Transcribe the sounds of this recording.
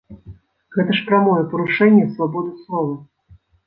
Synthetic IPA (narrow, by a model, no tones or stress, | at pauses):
ɣɛt̪ɐʂpɾʲamɔjɛpɐɾuʂɛnʲːɛsvabɔd̪ɨslˠɔvɐ